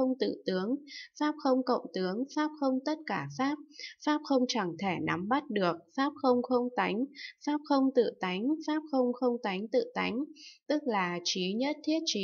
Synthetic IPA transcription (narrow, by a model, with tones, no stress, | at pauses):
ə˧wŋ͡mt̪ɨ̰˧˨t̪ɨ˨˦əŋfaː˦˥p̚xə˧wŋ͡mkə̰˧˨wŋ͡mt̪ɨ˨˦əŋfaː˦˥p̚xə˧wŋ͡mt̪ə˦˥t̚kaː˧˩faː˦˥p̚faː˦˥p̚xə˧wŋ͡mt͡ɕa˧˩ŋt̪ʰe˧˩na˨˦mɓa˦˥t̚ɗɨ˨˩ək̚faː˦˥p̚xə˧wŋ͡mxə˧wŋ͡mt̪a˨˦jŋ̟faː˦˥p̚xə˧wŋ͡mt̪ɨ̰˧˨t̪a˨˦jŋ̟faː˦˥p̚xə˧wŋ͡mxə˧wŋ͡mt̪a˨˦jŋ̟t̪ɨ̰˧˨t̪a˨˦jŋ̟t̪ɨ˦˥k̚laː˨˩t͡ɕi˨˦ɲə˦˥t̚t̪ʰi˦˥ət̚t͡ɕi˨˦